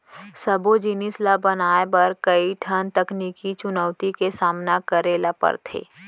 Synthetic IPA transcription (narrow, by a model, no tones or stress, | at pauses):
səbod͡ʒɪnɪslabənaːebɐɾkəiʈʰənt̪ɐkniːkit͡ʃʊnəːwt̪ikesaːmnakəɾeːlapə̰ɾt̪ʰḛː